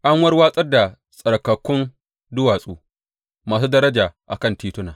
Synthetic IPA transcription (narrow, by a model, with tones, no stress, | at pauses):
ʔa˦ŋwɐ˦rwaː˦sʼɐ˦rda˨ | sʼɐ˨ɽkɐ˨kʷːʊ˦n | dʊ˦waː˨sʼuː˦ | maː˨s̬uː˦dɐ˦ɾɐ˦d͡ʒaː˨ʔa̰˨kɐ˦˨ntiː˦tʊ˦naː˨